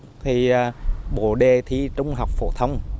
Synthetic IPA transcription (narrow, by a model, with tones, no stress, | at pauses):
t̪ʰiː˨˩˨ɓo˧˩ɗe˧˩t̪ʰi˧˦t͡ɕʊ˨˦ŋ͡mɦa˨˩wk͡p̚fo̰˧˩t̪ʰə˧wŋ͡m